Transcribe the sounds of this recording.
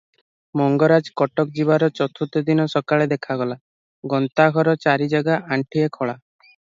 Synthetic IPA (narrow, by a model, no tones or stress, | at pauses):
mɔŋɡɔɾad͡ʒkɔʈɔk̚d͡ʒibaɾɔt͡ʃɔt̪ʰut̪ɔd̪inɔsɔkaɭed̪ekʰaɡɔla | ɡɔnt̪aɡʱɔɾɔt͡ʃaɾid͡ʒaɡaʔaɳʈʰiekʰɔɭa